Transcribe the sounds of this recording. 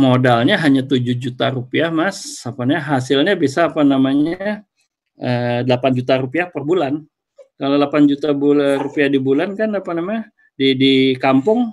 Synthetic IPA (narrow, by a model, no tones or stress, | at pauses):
modalɲaɦaɲat̪ud͡ʒʊhd͡ʒut̪aɾupiahmasapanɲɦasɪlɲabisaːpanamaɲaa | ʔədəlapand͡ʒut̪aɾupiahpərbulan | kalolapand͡ʒut̪aburupiahdibulankanapanamaɲa | didikampʊŋ